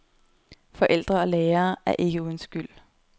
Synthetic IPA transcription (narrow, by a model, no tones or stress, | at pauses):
fɒ̽ʔel̰d̥ʁɐɒ̽leːɐːæɐʔe̝ɡ̥əuðˠn̩sɡ̥yl̰